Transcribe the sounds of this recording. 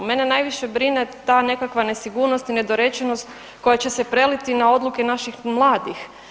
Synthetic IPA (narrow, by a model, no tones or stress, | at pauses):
me̞nenajʋiʃebɾinet̪ane̞kakʋane̞siɡuːɾnost̪ined̪oɾe̞t͡ɕenost̪ | ko̞jat͡ɕesepɾe̞lit̪inao̞d̪lukenaʃixmlˠaːd̪ix